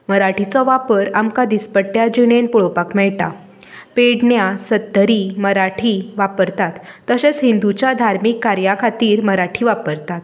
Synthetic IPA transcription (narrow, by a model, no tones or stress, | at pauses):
məɾaʈʰit͡sɔʋapəɾamkad̪ispəʈːjad͡ʑiɽ̃enpuɭopakmɛɭʈa | peɽɳjasət̪ːəɾiməɾaʈʰiːʋapəɾt̪at̪ːəɕet͡sɦind̪ut͡ɕjad̪ʱaɾmikːaɾjakʰat̪iːɾməɾaʈʰiːʋapəɾt̪at̪